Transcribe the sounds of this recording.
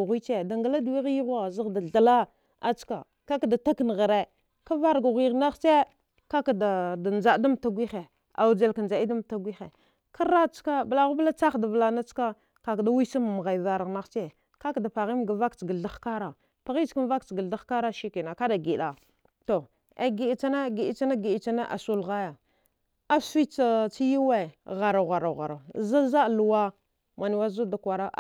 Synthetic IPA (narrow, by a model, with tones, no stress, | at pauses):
ɣʷi˦t͡ʃe˦da˨ŋɡa˨la˦du˨wi˦ɣji˦ɣa˨zi˦ɣda˨a˨la˦ | a˨t͡ʃka̰˨ | ka˦ka˨da˨ta˦kn˨ɣa˨ɾe˦ | ka˦va˦ɾɡa˨ɣʷi˨ɣna˦xt͡ʃe˦ | ka˦ka˨da˨da˨nd͡ʒa˨˦da˦m˨ta˦ɡʷi˦xe˨ | a̰˨wu˨d͡ʒa˨lka˨nd͡ʒa˨i˦da˦m˨ta˦ɡʷi˦xe˨ | ka˦ɾa˦t͡ʃka˦bla˦ɣu˦bla˦t͡sa˦xda˨vla˨na˦t͡ʃka˦ | ka˨kda˦wi˦sa˦m˨m˨ɣa˨va˨ɾa˨ɣna˦xt͡ʃe˦ | ka˦kda˨pa˨ɣi˦mɡa˨va˦kt͡ʃɡə˨a˦xka˦ɾa˨ | pa˨ɣi˦t͡ʃka˦m˦va˦kt͡ʃɡə˨lda˦xka˦ɾa˦ʃi˦ki˨na˨ka˦da˨ɡi˨ɗa˨ | to˨ | a̰˨ɡi˨i˨t͡sa˦na˦ɡi˨i˦t͡ʃa˦na˦ɡi˨i˨t͡ʃa˦na˦ʔa̰˨su˦lɣa˦ja˨ | a˦si˦t͡sa˦t͡si˦ji˦we˦˨ɣa˨ɾa˨ɣa˨ɾa˨ɣa˨ɾa˨za˦za˦˨lu˨wa˦ | ma˨ni˨wa˦zu˦da˨kʷa˨ɾa˦ʔ